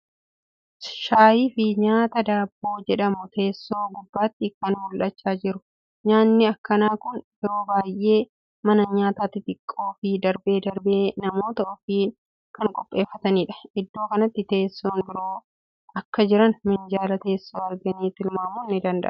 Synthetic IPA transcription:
ʃaːjiːfɪɲaːt̪ɐd̪aːbːoːd͡ʒɛᶑɐmʊt̪ʰe̞ːsːo̞ːɡʊbːaːt̪ːɪkɐnhʊlʔɐt͡ʃːaːd͡ʒɪɾʊ | ɲaːnːɪɐkːɐnaːkʊnb̥ɪɾo̞ːbaːjʔe̞ː | mɐnɐɲaːt̪aːt̪ːɪt̪ɪkʼːo̞ːfɪd̪ɐɾbe̞ːd̪ɐɾbeːnɐmo̞ːt̪ɐɔfiː | kɐŋkʼɔpʼːe̞ːfːɐt̪ɐniːᶑɐ̥ɪd̪ːoːkɐnɐt̪ːɪt̪e̞ːsːoːnbɪɾo̞ː | ʔɐkːɐd͡ʒɪɾɐnmɪnd͡ʒaːlɐt̪e̞ːsːoːɐɾɡɐniːt̪ɪlmaːmunːɪd̪ɐnd̪ɐ̰ʔɐ

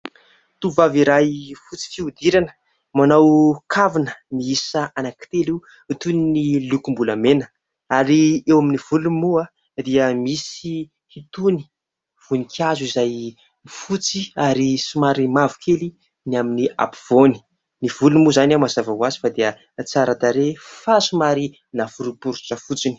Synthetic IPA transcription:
t̪uvaviɾajfut͡si̥fiud̪iɾanə̥ | manawkʰavinəniisaanakt̪elu | it̪uninilukumbuləmenə̥ | aɾiewaminiv̥ulumua | d̪iəmisi | hit̪uni̥ | v̥unikʰazizaj | ifut͡siaɾisumaɾimavu̥kʰeli | niaminia̰puv̥oni̥ | niv̥ulumuzanamazavawazi̥fad̪eə | t͡saɾat̪aɾefasumaɾi | navuɾupuɾuʈ͡ʂəfut͡sini̥

